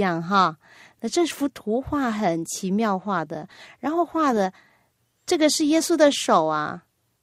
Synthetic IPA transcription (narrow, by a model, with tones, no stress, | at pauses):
ɑ˥˩ŋɦɑ˥˧ | na˥˧ʈ͡ʂɤ˥˩fu˧˥t̪ʰu˧˥xwa˥˩xə˨˩nt͡ɕʰi˧˥mjɑ˥˧ʊxwa˥˩d̪ə̰˩ɻa˧˥nxo˥˧ʊxwa˥˩d̪ə˩ | ʈ͡ʂɤ˥˩ɡə˩ʂɻ̩˥˩jɛ˥su˥d̪ə˨ʂo˨˩ʊɐ̰˦